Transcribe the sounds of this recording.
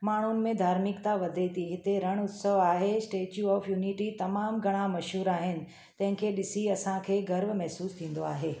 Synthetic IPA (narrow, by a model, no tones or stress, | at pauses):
maːɳ̤unɪ̆mẽd̪ʱaːɾmɪkt̪aʋɐd̪ʱet̪ʰiɦɪt̪eɾɐɽ̃ʊt̪səʋaːɦesʈeːt͡ɕjuɔːfʰjuːniʈit̪ɐmaːmɡʱɐɽ̃amɐʃɦuːɾaːɦɪnɪ̆ | t̪ɐ̃ɦɪ̃kʰeːɗɪsiɐsãkʰeːɡɐɾʋmɛɦsuːst̪ʰĩːn̆d̪oaːɦeː